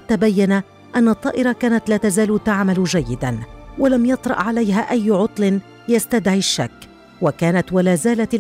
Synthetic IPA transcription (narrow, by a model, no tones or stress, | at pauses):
t̪ːaːbajːana | ʔanːɑt̪ˤːɑːʔɪɾˤɑkaːnat̪laːt̪azaːlt̪aʕmald͡ʒajːɪd̪anwalamjɑt̪ˤɾˤɑ̰ʔʕalajɦaːʔajːʕʊt̪ˤlɪn | jast̪ad̪ʕiʃːa̰kː | wakaːnat̪walaːzaːlat̪l